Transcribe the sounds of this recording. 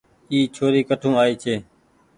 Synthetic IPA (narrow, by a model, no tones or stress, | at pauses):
iːt͡ʃʰoːɾiːkəʈʰũːaːiːt͡ʃʰeː